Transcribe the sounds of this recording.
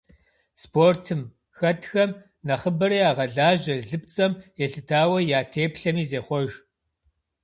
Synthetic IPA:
spʰoːrtʰɨm | xɐtʰxɐm | nɐχəbɐɾiːaːʁɐɮaːʒɐɮɨp̚t͡sʼɐmjɛɬɨtʰaːwɐjaːtʰeːpɬɐmiːzeːχʷɔʒ

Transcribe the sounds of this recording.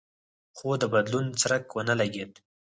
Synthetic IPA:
xod̪əbad̪lunt͡sɾakwənəlaɡed̪

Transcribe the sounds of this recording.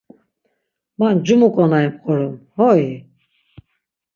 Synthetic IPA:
mand͡ʒumukʼɔnaimqʼɔɾɔmhɔi

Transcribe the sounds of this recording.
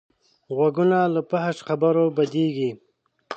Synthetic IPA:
ɣwaɡunaləpaɦaʃxabaɾobad̪eɡi

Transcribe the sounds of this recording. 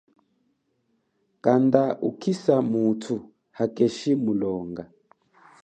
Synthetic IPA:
kand̪aʔukʰisamutʰu | hakʼeʃimulɔːŋɡa

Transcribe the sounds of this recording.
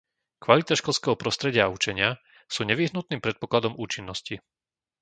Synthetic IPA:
kʋalit̪aʃkɔlskɛɦɔpɾɔst̪ɾɛɟɪaːut͡ʃɛɲɪa | suːɲɛʋiɦnut̪̚niːmpɾɛt̪̚pɔklad̪ɔmuːt͡ʃinːɔsci

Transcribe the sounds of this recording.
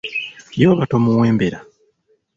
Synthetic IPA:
jo̞ːβatomuweːmbeɾa

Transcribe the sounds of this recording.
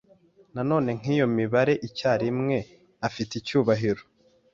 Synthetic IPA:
nano̞ːne̞ŋ̥iːjo̞miβaɾe̞ʔicaːɾimŋe̞ | afiticuːβaɦiɾo

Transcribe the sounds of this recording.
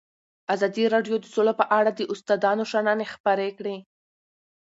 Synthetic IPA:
azɑd̪iɾɑɖjod̪əsolapəʔaɽad̪əʔʊst̪ɑd̪ɑnoʃananexpəɾekɽe

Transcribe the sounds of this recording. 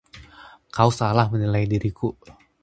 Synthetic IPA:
kausalahmənilajdiɾiku

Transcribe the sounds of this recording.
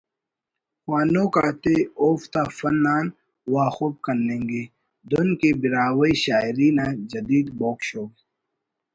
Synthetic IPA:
xwaːnokaːt̪eoːft̪aːfɐnːaːn | waːxub̚kɐnːẽːŋɡe | d̪onkebɪɾaːwiɕaːjɾiːnaːd͡ʒɐd̪iːd̪boːkʃoː

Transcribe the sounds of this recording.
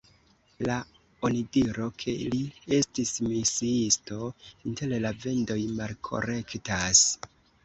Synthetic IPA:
la | onidiɾo̞kʰe̞lie̞stismisiisto̞inte̞llave̞ndo̞jmalkʰo̞̰ɾe̞ktas

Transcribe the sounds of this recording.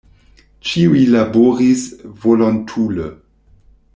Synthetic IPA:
t͡ʃiuilaboɾisvolontʰulə̰

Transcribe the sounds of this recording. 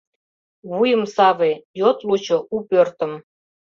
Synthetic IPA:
βujəmsɑβejot̪lut͡ɕoʔupørt̪ə̆m

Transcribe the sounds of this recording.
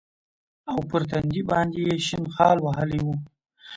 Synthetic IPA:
awpəɾt̪and̪ibɑnd̪ejeʃɪnxɑlwaɦəliwu

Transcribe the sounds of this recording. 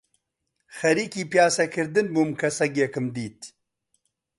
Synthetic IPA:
xɐɾiːkiːpjaːsɐkʰɨɾd̪ɨnbuːmkʰɐsɐɡekɨmd̪iːt̪

